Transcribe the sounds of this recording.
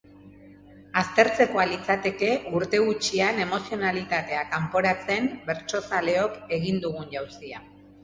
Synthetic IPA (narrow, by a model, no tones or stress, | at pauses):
ast̪e̞ɾt͡se̞ko̞alit͡sat̪e̞ke̞uɾt̪e̞ɣut͡ʃiane̞mo̞sio̞nalit̪at̪e̞akampo̞ɾat͡se̞mbe̞ɾt͡ʃo̞sale̞o̞ke̞ɣ̞ind̪uɣ̞uɲʝawsia